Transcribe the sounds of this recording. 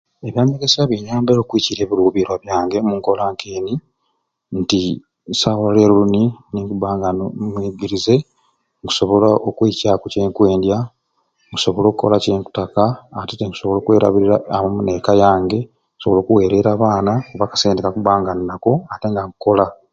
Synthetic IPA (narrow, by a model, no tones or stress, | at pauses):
e̞βjaːmeɡesaβjeɲaːmbeɾoːkwiciɾe̞ːβiɾuːβiɾwaβjaːŋɡe̞muŋko̞laŋkeːni | nti | sawale̞ːɾuluniniŋkuβaːŋɡanomwiːɡiɾize̞ | ŋku̥so̞βo̞laʔokwiːcakuceːŋkwe̞ːndja | ŋku̥so̞βo̞lo̞ːkuko̞̰laceːŋku̥takaːteteŋku̥so̞βolo̞ːkwe̞ːɾa̰βiɾiɾaːmamunekajaːŋɡe̞ | kusoβo̞lo̞ːkuwe̞ːɾe̞ɾaːβaːnakuβakḁseːndekakubaːŋɡaninako̞ate̞ŋɡaŋuko̞la